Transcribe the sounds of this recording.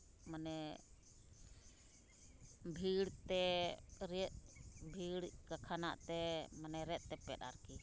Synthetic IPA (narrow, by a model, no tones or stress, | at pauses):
manɛ | bʱiɽt̪ɛɾɛt̪̚bʱiɽkakʰana̰ʔt̪ɛmanɛɾɛt̪̚ˀt̪ɛpɛɗa̰ɾki